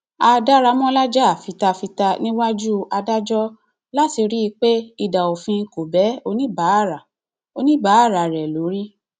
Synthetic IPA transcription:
a˧da˦ɾa˧mɔ̃˦la˦d͡ʒa˦a˨fi˨˦ta˧fi˧ta˧nĩ˦wa˦d͡ʒu˦a˧da˦d͡ʒɔ˦ | la˦ti˧ɾi˦˧k͡pe˦i˦˧da˨o˨fĩ˧ko˨bɛ˨˦o˧nĩ˦ba˨˦˨ɾa˨ | o˧nĩ˦ba˨˦a˦˨ɾa˨ɾɛ˨lo˨˦ɾi˦

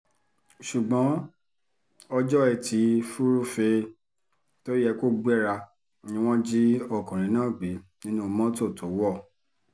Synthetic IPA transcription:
ʃu˨ɡ͡bɔ̃˨˦ | ɔ˧d͡ʒɔ˦ɛ˧˨ti˨˧˦fu˦ɾu˦fe˧ | to˦ɾi˦ɛ˧ko˦ɡ͡bɛ˦˨ɾa˧˦ | nĩ˧˦w̃ɔ̃˦d͡ʒi˦ɔ˦˨kũ˨ɾ̃ĩ˨˦nãː˦˨ɡ͡bi˨˦nĩ˦nũ˦˧mɔ̃˦to˦˨to˨˦wɔ˦˨

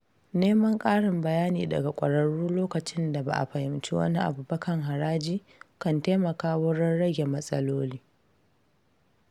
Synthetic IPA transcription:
neː˦mɐ˦ŋkʼaː˦ɽɪ˨mbɐ˨jaː˦niː˨dɐ̰˨ɡa˨kʷʼɐ̰˨ɽɐ˨ɽuː˦loː˦kɐ˨t͡ʃɪ˦nda˨ba̰˨ʔa̰˨ɸɐ˨hɪ˨mt͡ʃḭ˦wɐ̰˦ni˦ʔa̰˨buː˨bɐ˦kɐ˨ŋɦa˨ɾaː˦d͡ʒiː˦ | kɐ˨nteː˦mɐ˨kaː˦wʊ˦ɽɐ˦nɽɐ˦ɡʲe˨mɐ˦sʼɐ̰˦loː˦liː˦

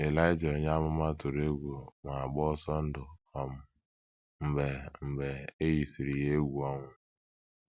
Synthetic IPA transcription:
e˨la˦ɪ˦d͡ʒo˨ɲa˦mʊ˦ma˦tʊ˨ɾe˦ɡʷu˨ŋʷa˨a˨ɡ͡bɔ˦ɔ˦sɔ˦n̩˦dʊ˨ɔ˦mʊ˨ | m̩˨be˨m̩˨be˨e˦ji˨si˨ɾi˨je˦ɡu˨ɔ˦ŋʷʊ˨

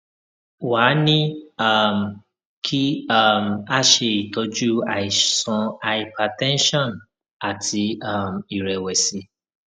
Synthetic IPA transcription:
wa˨˦nĩ˦a˦˨m̩˨ | kʰi˦a˦˨m̩˨a˦ʃe˧i˨to˧˦d͡ʒu˦a˨i˨sɔ̃˧a˧i˨pa˨tɛ̃˦n˦ʃɔ̃˦˨n | a˨tʰi˧a˦˨m̩˨i˨ɾɛ˨wɛ˨si˨˧˦

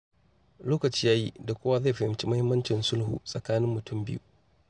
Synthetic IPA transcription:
loː˦kɐ˨t͡ʃiː˦jaː˦ji˦da˨kʷʊː˦wa˦za˦˨ɸɐ˨hɪ˨mt͡ʃi˦mɐ˦hɪ˦mːɐ˦nt͡ʃɪ˨nsʊ˦lhṵː˨sʼɐ˨kaː˦nɪ˦mːʊ˨tʊ˦˨mbɪ˦ju˦

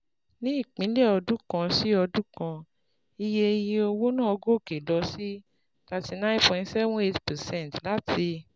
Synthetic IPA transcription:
nĩ˦i˦˨k͡pĩ˨˦lɛ˦˨ɔ˧dũ˦kã˧si˦ɔ˧du˦kã˧ | i˧je˧je˧o˧wo˦nãː˦˨ɔ˧ɡo˦˨ke˨lɔ˧˦si˦ | ta˧ti˧nã˦pɔ̃˨nsɛ˦bũ˦e˧ti̥˨pɛ˨sɛ̃˦˨n˨tla˦tʰi˧

